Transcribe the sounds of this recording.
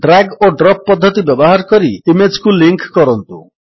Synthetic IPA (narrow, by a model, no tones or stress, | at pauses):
ɖɾaɡoɖɾɔp̚pːɔd̪ʱːɔt̪ibjɔbɔɦaɾkɔɾiimed͡ʒkuliŋkkɔɾɔnt̪u